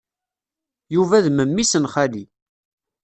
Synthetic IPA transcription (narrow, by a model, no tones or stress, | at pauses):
juvæðməmːisənχæli